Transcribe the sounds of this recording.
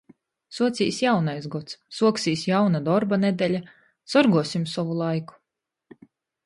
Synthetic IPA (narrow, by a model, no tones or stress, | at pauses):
suɔt̪sʲḭːsjawnajsɡɔt̪sːuɔksiːsjawnad̪ɔɾbaned̪elʲa | sɔɾɡuɔsimsɔvulˠajku̥